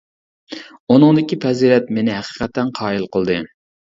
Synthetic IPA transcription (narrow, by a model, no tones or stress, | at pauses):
unɨŋd̪ɪkʲipʰɛziɾɛt̪menɪɦæqə̥qʰɛt̪ʰːɛnqʰɑːilˠqəlˠd̪ɨ